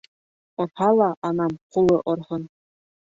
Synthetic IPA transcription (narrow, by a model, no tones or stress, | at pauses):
ɤ̆rħɑlˠɑʔːnɑmqulˠɤʔɤrʁɤ̆n